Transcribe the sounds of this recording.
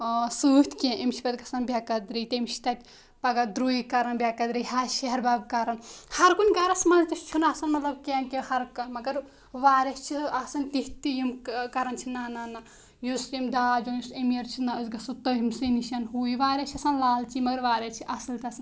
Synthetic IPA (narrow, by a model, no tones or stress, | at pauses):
sut̪kẽʔemt͡ʃʰi̥pɐt̪ɡɐsɐnbʲjakɐd̪ɾit̪emit͡ʃʰi̥t̪ɐt̪ʲ | pɐɡɐd̪ɾuikɐɾɐnbʲjakɐd̪ɾijɦaʃeɦɐɾbabkɐɾɐnhɐɾkunʲɡɐɾɐsmɐnt̪ɐst͡ʃʰunasɐnmɐt̪lɐb̚kenkehɐɾkɐmɐɡɐɾ | ʋaːɾest͡ʃʰiasɐnt̪iht̪ijimkkɐɾɐnt͡ʃʰinaːnana | jusimd̪aːd͡ʒonjusemiɐɾt͡ʃʰinasɡɐsut̪ɐɦimsiniʃɐnɦuːiʋaːɾʲet͡ʃʰiɐsɐnlaːlt͡ʃʰimɐɡɐɾʋaːɾet͡ʃʰiʔɐsilt̪ɐɐsɐn